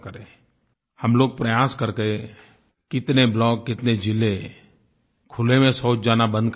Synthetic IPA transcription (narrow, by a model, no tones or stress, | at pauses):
kəɾẽ | həmloːɡ̚pɾəjaːskəɾke | kɪt̪neblɔːk̚ːɪt̪ned͡ʒɪle | kʰʊlemẽsoːt͡ʃd͡ʒaːnabə̃nd̪k